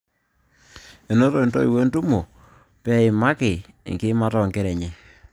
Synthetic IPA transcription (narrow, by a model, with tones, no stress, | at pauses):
e˨no˦to˨i˨nto̰˦i˨we˦ntu˦mo˨ | pɛ˦ɪ˨ma˦kɪ̰˨ | ŋɡi˦ma˦tɔ˨ŋke˦ɾɛ˨ɲɪ˨